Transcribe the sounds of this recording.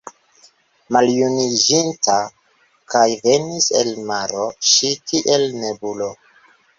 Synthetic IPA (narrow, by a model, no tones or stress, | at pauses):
maljunid͡ʒinta | kajve̞nise̞̰lmaɾo̞ʃitʰiʔelne̞bulo̞